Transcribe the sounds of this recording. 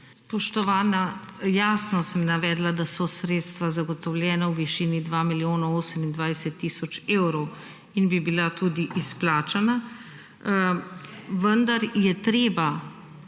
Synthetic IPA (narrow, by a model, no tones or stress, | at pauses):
spɔʃt̪ɔʋaːna | jaːsnɔsɛmnaʋɛːd̪lad̪asɔsɾeːt̪st̪ʋazaɡɔt̪ɔwlʲjɛːnawʋiʃiːnid̪ʋaːmiljoːnɔoːsəmind̪ʋajsɛt̪ːiːsɔt͡ʃeːwɾɔw | inbibilat̪uːd̪iʔisplaːt͡ʃana | ʋənd̪aɾjɛt̪ɾeːba